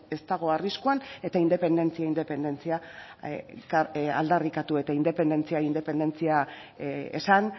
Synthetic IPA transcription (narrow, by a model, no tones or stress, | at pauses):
e̞st̪aɣ̞o̞ariskuane̞t̪aind̪e̞pe̞nd̪e̞nt͡siaind̪e̞pe̞nd̪e̞nt͡sia | kaa̰ld̪arikat̪ue̞t̪aind̪e̞pe̞nd̪e̞nt͡siaind̪e̞pe̞nd̪e̞nt͡sia | ḛsan